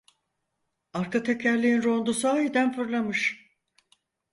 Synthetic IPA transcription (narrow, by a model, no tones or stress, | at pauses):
aɾkʰat̪ʰecʲʰæɾlʲiinɾo̞nd̪usaːid̪ænfɯɾlˠamɯʃ